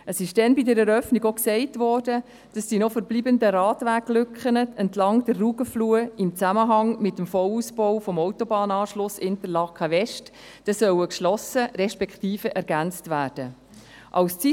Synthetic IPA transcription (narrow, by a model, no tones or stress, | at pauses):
əsɪʃd̥ɛnbidəɾɛɾœfniɡoksɛɪtvɔːɾdə | d̥ɑsd̥iːnɔfəɾbliːbəndəɾɑːtʋæːklʏkχənəɛntlɑŋd̥ərːuːɡəfluːəɪmt͡sæməɦɑŋmɪtːəmfɔluːsb̥ɔʊfɔmɔʊtɔbɑːnɑːʃlʊsɪntəɾlɑkʰɑvɛʃt | d̥ɛsœwəkʃlɔsəɾɛʃpɛkχtiːfəʔɛɾɡ̥ænt͡stvæːɾd̥ə | ʔɑwst͡si